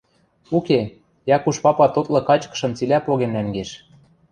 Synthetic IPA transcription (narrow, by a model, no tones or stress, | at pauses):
uke | jɑkuʃpɑpɑt̪ot̪lɤ̆kɑt͡ɕkɤ̥̆ʃɤ̆mt͡silʲæpoɣennæŋɡeʃ